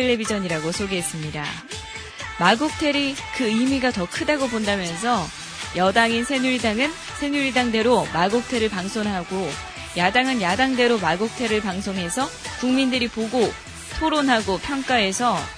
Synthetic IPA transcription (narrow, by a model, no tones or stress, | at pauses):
eɭːe̞bid͡ʑʌɲiɾaɡosʰoɡeɦes͈ɯmɲida̰ | maɡuk̚tʰe̞ɾikɯɯmiɡatʌkʰɯdaɡopondamjʌns̬ʰʌ | jʌdaŋinsʰeɲuɾidaŋɯn | sʰe̞ɲuɾidaŋde̞ɾomaɡuk̚tʰe̞ɾɯɭpaŋsʰonɦaɡo | jadaŋɯnjadaŋde̞ɾomaɡok̚tʰe̞ɾɯɭpaŋsʰoŋɦe̞sʰʌkuŋmindɯɾipoɡo | tʰoɾonɦaɡopʰjʌŋk͈ae̞sʰʌ